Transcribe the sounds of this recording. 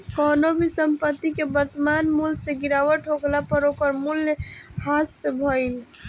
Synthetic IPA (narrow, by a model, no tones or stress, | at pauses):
kɔnobʱisəmpət̪ːikebəɾt̪əmanmulseɡiɾawəʈɦoɡlapəɾokəɾmuljhasebʱɔil